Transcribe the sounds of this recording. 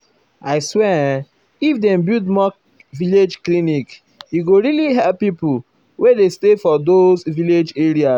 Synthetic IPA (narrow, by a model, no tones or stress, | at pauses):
aɪswɛ | ifdẽmbidmɔ | viled͡ʒklinik | jiɡoɹiliɦɛlppːipu | wedestefɔdozviled͡ʒeɾia